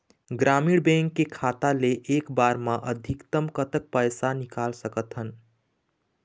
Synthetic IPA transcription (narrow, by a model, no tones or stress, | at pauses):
ɡɾamiɽbẽŋkːekʰat̪aleʔːkbaɾmaʔəd̪ʱikt̪əmkət̪ək̚pəjsanikalsəkət̪ɦən